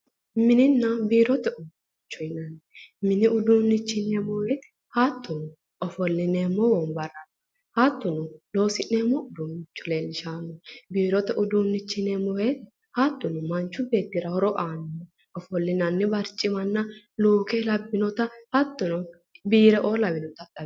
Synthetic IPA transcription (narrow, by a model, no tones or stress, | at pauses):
mɪnɪnːɐbiːɾɔt̪ɛʔʊd | t͡ʃːɔjnɐnmɪnɪʊd̪uːnːɪt͡ʃːɪneːmɔweːt̪ | haːt̪ːʊnʊ | ɔfɔlːɪneːmːɔwɔnbɐrːɐn | hat̪ːʊnʊlo̞ːsɪnːeːmɔʊd̪uːnːɪt͡ʃːʊle̞ːlːɪʃaːnɔbiːɾɔt̪ɛʔʊd̪uːnːɪt͡ʃːɪnemɔwet̪ | hat̪ːʊnʊmɐnt͡ʃːʊbe̞ːt̪ːɪɾɐhɔɾɔʔaːnɔ | ɔfɔlːɪnɐnːɪbɐɾt͡ʃʼːɪmɐnːɐ | luːkɛlɐbːɪnɔt̪ɐhɐt̪ːʊnɔ | biːɾɛʔo̞ːlɐwɪnɔt̪ɐt̪ʼɐ